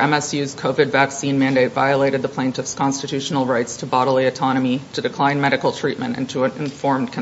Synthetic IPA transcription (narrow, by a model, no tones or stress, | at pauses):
ɛ̃mɛsjʉz̥kʰoʊvɨdvæksĩnmæ̃ndeɪtv̥a̰ɪəleɪɾɨd̪̚ðəpʰl̥ẽɪntʰɨfskʰɑ̃nstɨtʰʉʃn̩l̩ˠɹaɪtstʰəbɑɾl̩ˠiɨtʰɑñəmiɾɨdɨkʰl̥ãɪ̃nmɛɾɨkl̩ˠtʰɹ̥it̚mɨ̰̃ntɨ̰̃ntʰəə̃nɨ̰̃ɱfɔɹmkʰ